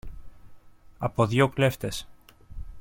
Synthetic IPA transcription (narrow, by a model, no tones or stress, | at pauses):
ɐpoðʝokle̞ft̪e̞s